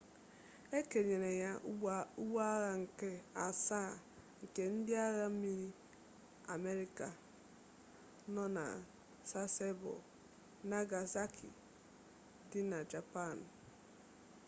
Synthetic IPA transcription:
e˦ke˨ɲe˨ɾe˨ja˦u˦ɡ͡ba˦ɣa˦ŋ̩˨ke˦a̰˨saː˦˨ | ŋ̩˨ke˦n̩˦dɪ˦a˦ɣa˦m̩˦mi˦ɾi˦ | a̰˨me˦ɾi˦ka˨ | nɔ˦na̰˨ | sa˦se˦bo̰˨ | na˦ɡa˨za˦kʰḭ˨ | dɪ˦na˨d͡ʒa˨pa˦˨n˨

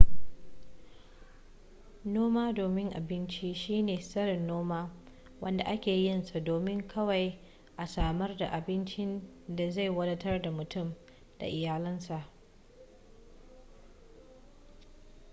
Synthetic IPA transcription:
noː˦maː˦doː˨mɪ˦ŋʔa̰˨bɪ˦nt͡ʃi˦ʃiː˦neː˨sɐ˦ɽɪ˨nːoː˦maː˦ | wɐ˦nda˨ʔa˦kʲeː˨jɪ˦nsa˨doː˨mɪ˦ŋkʰɐ˦wa˨j | ʔa˨saː˨mɐ˦rda˨ʔa˨bɪ˦nt͡ʃɪ˦n | da˨za˦˨jwɐ˦dɐ˦tɐ˦rda˨mʊ˨tʊ˦m | d̥a̰˨ʔɪ˨jaː˨lɪ˦nsa˨ʔ

